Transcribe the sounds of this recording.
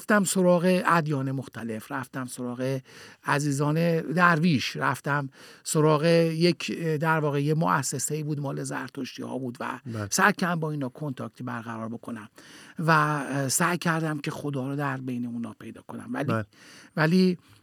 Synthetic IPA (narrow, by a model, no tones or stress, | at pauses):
ft̪æmso̞ɾɒːɣe̞æd̪jɒːne̞mo̞xt̪ʰæle̞fɾæft̪æmso̞ɾɒːɣeæziːzɒːned̪æɾviːʃɾæft̪æmsoɾɒːɣejekʰd̪æɾvɒːɣejemoʔæsːe̞seiːbuːd̪mɒːle̞zæ̰ɾt̪ʰoʃt̪ḭhɒ̰ːbuːd̪væ̰sæjkʰæmbɒːiːnhɒːkʰo̞nt̪ʰɒ̰ːk̚ʲt̪ʰibæɾɣæɾɒːɾbo̞kʰo̞næmvæsæjcʰæɾd̪æmcʰexo̞d̪ɒːɾɔd̪æɾbe̞jneunhɒ̰ːpʰe̞jd̪ɒ̰ːkʰo̞næ̰mvæ̰livæliː